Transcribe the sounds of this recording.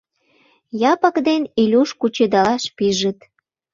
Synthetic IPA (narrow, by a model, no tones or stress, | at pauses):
jɑpəkd̪enilʲuʃkut͡ɕed̪ɑlɑʃpiʒə̆t̪